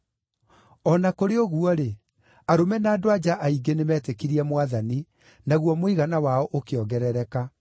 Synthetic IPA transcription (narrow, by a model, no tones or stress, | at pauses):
ɔnakoɾeoɣuɔɾe | aɾomɛnaːdoad͡ʒaʔaiɡenemɛːtekiɾiɛmwaðani | naɣwɔmoiɣanawaɔʔokeɔɣɡɛɾɛɾɛka